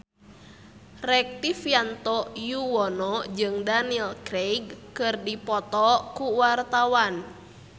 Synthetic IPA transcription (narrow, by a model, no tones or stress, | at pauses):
rɛk̚t̪ifjant̪ɔjuwɔnɔd͡ʒɨŋdanilkɾejɡkɨrdipɔt̪ɔkuwart̪awan